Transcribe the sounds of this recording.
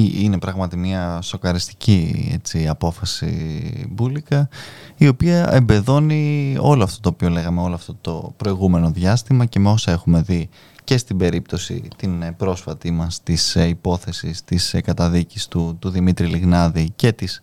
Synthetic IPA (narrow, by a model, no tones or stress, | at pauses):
ine̞pɾɐɣmɐt̪imɲɐso̞kɐɾist̪i̥ciḛt͡siɐpo̞fɐsḭbulikɐio̞piɐembe̞ðo̞nio̞loɐft̪o̞t̪oːpio̞le̞ɣɐme̞o̞loɐft̪o̞t̪o̞pɾo̞iɣume̞no̞ðʝɐst̪imɐce̞meo̞sɐe̞xume̞ði | ce̞st̪ibe̞ɾip̚t̪o̞sḭt̪inbɾo̞sfɐt̪imɐst̪isipo̞θe̞sist̪iskɐt̪ɐðicist̪ut̪uðimit̪ɾiliɣnɐðice̞t̪is